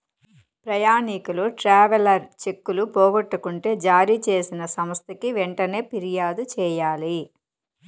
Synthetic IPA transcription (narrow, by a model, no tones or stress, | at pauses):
pɾɐjaːnikuluʈɾaːʋɐlɐɾt͡ʃe̞kːulupɔːɡɐʈːukuɳʈe̞ːd͡ʒaːɾit͡ʃe̞ːsinɐsɐmst̪ʰɐkiʋɛɳʈɐne̞ːpiɾijaːd̪ut͡ʃɛːjaːli